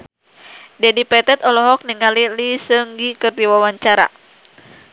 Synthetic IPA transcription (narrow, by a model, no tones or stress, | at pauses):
d͡ʒadipɛt̪ɛt̪ɔlɔɦɔk̚niŋalilisəŋɡikərdiwawaɲt͡ʃaɾa̰